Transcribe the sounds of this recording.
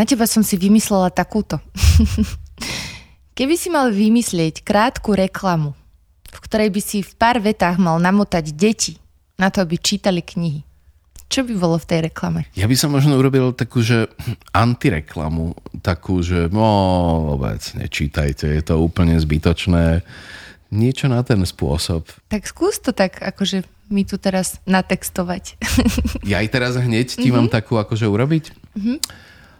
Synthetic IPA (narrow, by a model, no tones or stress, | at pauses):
nacɛbasɔmsiʋimislɛlat̪akuːt̪ɔ | kɛbisimalʋimislɪɛckɾaːt̪kuɾɛklamu | fkt̪ɔɾɛjbisifpaːɾʋɛt̪aɣmalnamɔt̪aɟɟɛci | nat̪ɔabit͡ʃiːt̪alikɲiɦi | t͡ʃɔbibɔlɔft̪ɛjɾɛklamɛjabisɔmːɔʒnɔuɾɔbilt̪akuːʒɛʔant̪iɾɛ̰kʰla̰mut̪akʰuːʒɛɔɔ̰bɛ̰t͡sɲɛ̰t͡ʃiːt̪a̰jcɛjɛt̪ɔuːpl̩ɲɛzbit̪ɔt͡ʃnɛː | ɲɪɛt͡ʃɔnat̪ɛnspʊɔ̰sɔpt̪akskuːst̪ɔt̪aɡa̰kɔʒɛ | mit̪ut̪ɛɾaznat̪ɛkst̪ɔʋac | jajt̪ɛɾazɦɲɛccimamt̪akuːakɔʒɛuɾɔbic̩ɦ̩